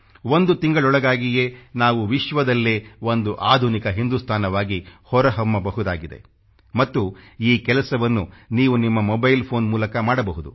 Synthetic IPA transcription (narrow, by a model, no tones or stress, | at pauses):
ʋond̪ut̪iŋɡɐɭɔɭɐɡaːɡije̞ːnaːʋuʋiʃʋɐd̪ɐlːeːʋond̪uʔaːd̪ʱunikɐɦind̪ust̪ʰaːnɐʋaːɡihɔɾɐɦɐmːɐbɐɦud̪aːɡid̪e̞̰ | mɐt̪ːuiːkɛlɐsɐʋɐnːuniːʋunimːɐmɔbɐjlpʰoːnmuːlɐkɐmaːɽɐbɐɦud̪ṵ